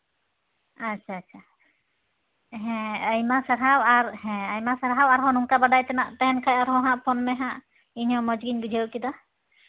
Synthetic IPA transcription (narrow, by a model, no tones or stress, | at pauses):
at͡ʃʰaːtt͡ʃʰa | ɦɛ̃əjmasəɾɦawaɾhɛ̃əjmasaɾɦawaɾɦɔ̃nuŋkabaɖajt̪ɛnaʔt̪ɛɦɛnkʰajaɾɦɔ̃ɦãʔpʰɔnmɛɦãʔ | iɲɔ̃mɔd͡ʒɡiɲɡud͡ʒʱəwkid̪a